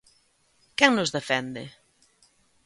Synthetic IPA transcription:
kɛŋnʊzðefɛnd̪ɪ

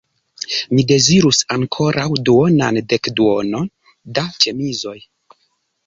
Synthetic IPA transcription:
mide̞ziɾusaŋkʰo̞ɾʔawduo̞nande̞kduo̞no̞n | dat͡ʃe̞mizo̞j

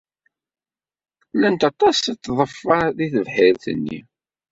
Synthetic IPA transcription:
lænt̪ɑt̪ˤɑsit̪ːðˤəfːɑðiθəvħɪɾθə̰nːḭ

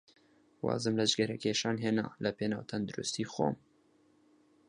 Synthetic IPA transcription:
wɑ̰ːzɨmləʒɡɛɾɛkeːʃɑːnɦeːnɑ̰ːləpeːnɑ̰ːwt̪ʰɐnd̪uɾṵst̪iːxo̰ːm

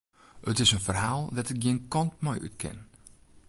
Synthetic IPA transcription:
ətɪsənfərɦaːlˠdatɪk̚ɡiənkɔntmɔjʔy̰tkʰɪ̰n

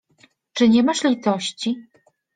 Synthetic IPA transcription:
t͡ʂɘɲɛmaʂlʲit̪ɔɕt͡ɕi

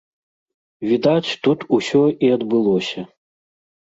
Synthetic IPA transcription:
vʲid̪at͡ɕʲt̪ut̪usʲɔiɐd̪bɨlˠɔsʲɐ

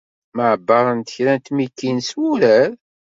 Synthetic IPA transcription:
məʕəbːɑɾˤənt̪ə̥çɾænt̪mikːinswuɾæɾ

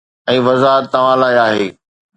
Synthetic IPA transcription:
ɛ̃ːʋɐzaːɦət̪ːɐʋ̤ãlaːiaːɦeː

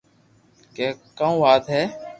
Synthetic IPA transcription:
keːkãũːʋaːt̪ɦɛː

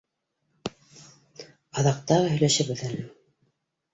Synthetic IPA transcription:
ɑðɑq̚t̪ɑʁɤɦɵ̆jlæʃɘβɘðælɘ

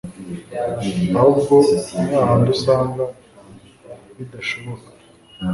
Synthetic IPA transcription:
aubɡonaːɦandusaːŋɡa | βidaʃoβokḁ

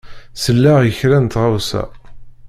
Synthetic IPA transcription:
səlːæʁjəçɾænt̪ʁawsæ̰

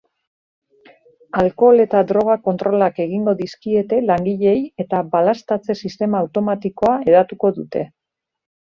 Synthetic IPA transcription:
alko̞le̞t̪ad̪ɾo̞ɣ̞ako̞nt̪ɾo̞lake̞ɣiŋɡo̞ðiskie̞t̪e̞laŋɡiʎe̞je̞t̪aβalast̪at͡se̞sist̪e̞maːwt̪o̞mat̪iko̞ae̞ðat̪uko̞ðut̪e̞

